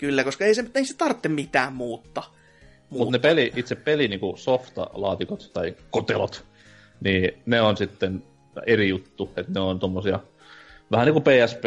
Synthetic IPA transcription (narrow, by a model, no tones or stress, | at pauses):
kylːækoskɑeisemeise̥t̪ɑrt̪ːemmit̪æːmmuːt̪ːɑ | mumut̪ːnepeliʔit̪seppeliniːŋkusoft̪ɑ̰lɑːt̪ikot̪t̪ɑikot̪elot̪ | niːneonsit̪ːen | erijut̪ːuet̪neont̪omːosiɑ | ʋæhæniːkupeːæsp